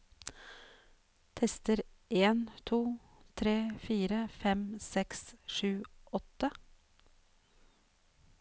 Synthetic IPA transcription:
t̪ʰɛst̪əɾ | ʔeːnt̪ʰuː | t̪ʰɾeːfiːɾəfɛmsɛksʃʉːɔt̪ə

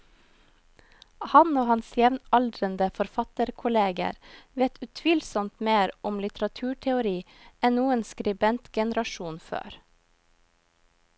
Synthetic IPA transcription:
hɑnoːhɑnsjɛʋnɑld̪ɾənd̪əfɔɾfɑt̪əɾkʰʊleːɡə̰ɾʋeːt̪ʰʉt̪ʰʋiːlsɔmt̪meːɾʊmlɪt̪ɾɑt̪ʰʉːʈʰɛʊɾiː | ɛnnuːənskɾɪbɛnt̪ɡ̥ɛnəɾɑʃuːnfø̰ːɾ

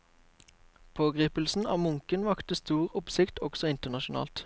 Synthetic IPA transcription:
pʰoːɡʁiːpəlsn̩ɑ̰ːmʊŋkənʋɑkt̪əst̪uːʁʊpsɪkt̪ɔɡ̥sɔɪnt̪ənɑʃʊnɑ̰ːlt̪

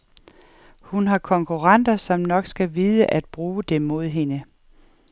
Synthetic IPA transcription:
hunɦɑ̈kʰɒ̽ŋkʰuʁɑ̈n̰d̥ɐsɒ̽mnɒ̽ɡ̥sɡ̥æʋiðˠəʔæd̥̚b̥ʁuːd̥emo̝ð̞̰ˠɦe̝nə

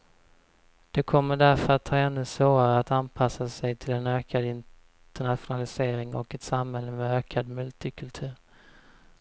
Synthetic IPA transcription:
d̪̥ɛkʰɔmːəɖæɾfəɾat̪ʰːɑːɛnːɵsvoːɾaɾəat̪anpʰasasɛjt̪ʰɪlɛnøːkʰad̪ɪn | t̪əɳat̪ɧʊnalɪseːɾɪŋɔ̰kɛt̪samhɛlːəmɛøːkʰad̪mɵlt̪ɪkʰɵlt̪ʰʉ̟ːɾ

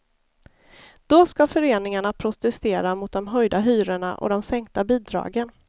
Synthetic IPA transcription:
d̪̥ɔskafœɾeːnɪŋaɳapʰɾʊt̪ɛst̪eːɾamʊt̪̚d̪ɔmɦœjd̪aɦyːɾəɳa̰ʔɔ̰d̪ɔmsɛŋk̚t̪abiːd̪ɾɑ̰ːɡən

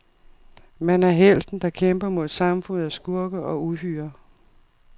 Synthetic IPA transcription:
mænæɐɦel̰d̥n̩d̥ɑ̈kʰemb̥ɐmo̝ð̰ˠsɑ̈mfɔ̽n̰ð̩ˠæsɡ̥uɐɡ̥əʔɒ̽uɦyːɐ

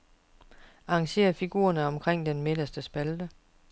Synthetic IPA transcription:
ɑ̈ːŋɕe̝̰ːɐfiɡ̥ṵːɐnəɒ̽mkʰʁeŋ̰d̥enme̝d̥ɐsd̥əsb̥æld̥ə

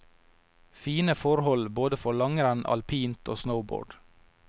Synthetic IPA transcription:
fiːnəfɔɾhɔlboːd̪əfɔɭɑŋəɾɛnʔɑ̰lpʰiːnt̪ʰo̰ːsnəʊbo̰ːɖ̥

